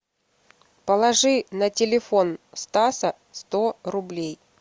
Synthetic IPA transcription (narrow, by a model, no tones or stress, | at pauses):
pəlˠɐʐɨnətʲɪlʲɪfonst̪asə | st̪orʊblʲej